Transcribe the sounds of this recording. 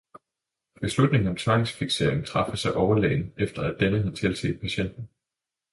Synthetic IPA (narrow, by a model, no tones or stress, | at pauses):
b̥e̝slud̥̚ne̝ŋn̩ɒ̽mt͡sʰʋɑ̈ɪŋsfiɡ̥se̝ɐ̰eŋ̩t͡sʰʁɑ̈fəsɑ̈ɪʔɒʊɐlɛ̰ːɪnəefd̥ɐæd̥enəhæt͡sʰe̝lsʰḛːd̥̚pʰæɕen̰d̥n̩